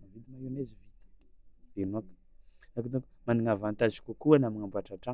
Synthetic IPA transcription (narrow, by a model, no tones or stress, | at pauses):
navit̪əmaenezivit̪ə̥d̪̥enuak | nakit̪ukmaniŋavant̪azikʲukuanamiŋambuaʈ͡ʂaɳʈ͡ʂa